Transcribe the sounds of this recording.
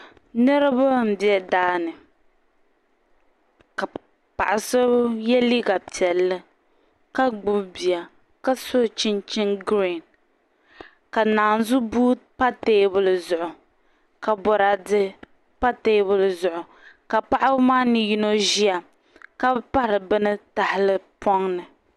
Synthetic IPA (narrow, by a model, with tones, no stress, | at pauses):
nɛ˦ɾɨ˦ba˦m̩˨bɛ˦daː˦nɨ˨ | ka˨ | pa̰˨ʔa˨sɨ˦jɛ˦li˦ɡa˨pi˨ɛ˨lːɨ˦ | ka˦ɡ͡bʊ˦bbi˨a˨ | ka˦so˦˨t͡ʃɪ˦nt͡ʃɪ˦nɡɾi˦˨n | ka˨naː˨n˦zʊ˦buː˦pa˦teː˦bʊ˦lɨ˨zʊ˨ʔʊ˨ | ka˨bɔ˨ɾa˨dɨ˦ | pa˦te˦bʊ˦lɨ˨zʊ˨ʔʊ˨ | ka˨pa˦ʔa˦bmaː˦nɨ˨ji˦no˦ʒi˦a˨ | ka˦pa˦ɾɨ˨bɨ˦nɨ˦ta˨hɪ˨lɨ˦pɔ˦ŋnɨ˨